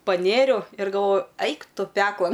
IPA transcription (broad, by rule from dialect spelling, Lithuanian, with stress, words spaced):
pɐˈnʲeːrʲɛʊ ɪr ɡɐlˠˈʋoːjʊ ˈɐɪk ˈtʊ ˈpʲæːklˠɐn